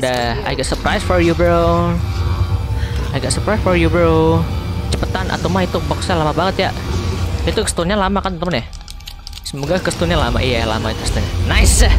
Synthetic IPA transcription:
daa̰jɡɛt̪̚səpɾajsfɔɾjubɾo | ajɡɛt̪səpɾajsfɔrjubəɾo | t͡ʃəpət̪anʔa̰t̪uwmait̪ubako̥sajalamabaŋət̪ja̰ʔit̪ukə̥st̪unɲalamakant̪əmənjah | səmoɡakəst̪unɲalama̰ʔijala̰mait̪u̥kə̥st̪uɲanaɪsa

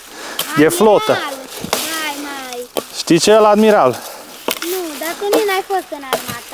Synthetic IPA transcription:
ɡeflot̪ə | jmajʃt̪it͡ɕʰeəlad̪miɾal | nud̪at̪uninajfəsənad̪ma

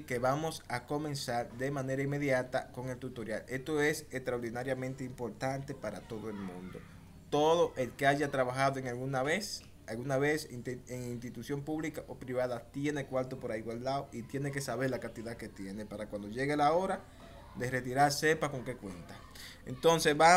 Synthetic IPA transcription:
ke̞βamo̞sako̞mẽ̞nsaɾd̪e̞mãne̞ɾaimːe̞ðjat̪ako̞ŋe̞lt̪ut̪o̞ɾjale̞st̪o̞e̞sest̪ɾaoɾðinaɾjamẽnt̪eimpo̞ɾt̪ant̪e̞paɾa̰t̪o̞ðo̞e̞lmũnd̪o̞̰ | t̪o̞ðo̞ʔe̞lkeaʝat̪ɾaβaxaðoeŋalɣunaβes | alɣunaβe̞seŋinst̪it̪usjo̞mpuβlikaʔopɾiβaðat̪je̞ne̞kwaɾt̪opo̞ɾaiɣwald̪aoʔit̪je̞ne̞k̬e̞saβe̞ɾlakant̪iðake̞t̪je̞ne̞paɾakwãnd̪o̞ʝe̞ɣelao̞ɾa | d̪e̞re̞t̪iɾaɾse̞pako̞ŋke̞kwe̞nt̪a | ḛnt̪o̞nse̞sβa

